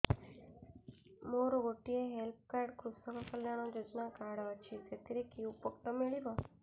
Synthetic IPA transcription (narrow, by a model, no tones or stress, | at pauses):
moɾoɡoʈieɦelp̚kaɾɖkɾusəkakəljaɽ̃od͡ʒod͡ʒnakaɽʋat͡ʃʰid͡ʒet̪iɾekiũpəkʈ̪omeɭiba